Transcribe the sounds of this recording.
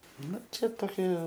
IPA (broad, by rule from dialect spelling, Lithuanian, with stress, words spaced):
ˈnʊ ˈt͡ʃʲɛ toːˈkʲiɛ